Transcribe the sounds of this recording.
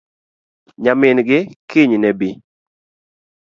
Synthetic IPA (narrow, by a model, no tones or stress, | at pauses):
ɲamɪnɡɪkiɲnɛbi